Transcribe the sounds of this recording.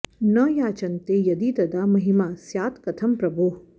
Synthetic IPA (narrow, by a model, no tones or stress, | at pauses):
nɐjaːt͡ʃɐnt̪ejɐd̪it̪ɐd̪amɐɦimaːsjaːt̪kɐt̪ʰɐmpɾɐbʱuːɦ